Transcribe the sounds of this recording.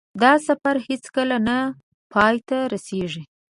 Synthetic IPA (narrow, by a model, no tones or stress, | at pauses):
d̪ɑsafaɾhet͡skəlana | pʰɑjt̪aɾaseʐi